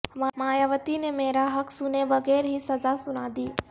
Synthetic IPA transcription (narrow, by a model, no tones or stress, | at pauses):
mamaːjaːʋət̪inemeːɾaɦɐkʰsʊneʋɐɣɛːɾɦisɐzasʊnaːd̪iː